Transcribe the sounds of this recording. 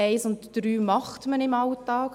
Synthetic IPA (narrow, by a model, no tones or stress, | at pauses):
ɛɪsʊntd̥ɾyːmɑχtmənɪmɑltɑːk